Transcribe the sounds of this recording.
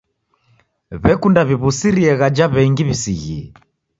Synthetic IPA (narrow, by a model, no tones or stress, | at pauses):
βɛkundaβiβusiɾiɛɣad͡ʒaβɛŋɡiβisiɣḭɛ